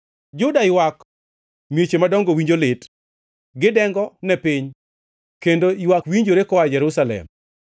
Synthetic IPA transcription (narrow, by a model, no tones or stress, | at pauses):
d͡ʒʊdaɪwak | mjet͡ʃemadɔŋɡowiɲd͡ʒolɪt | ɡɪdɛŋɡɔnɛpɪɲ | kendoiwakwiɲd͡ʒoɾekɔad͡ʒɛɾusalɛ̰m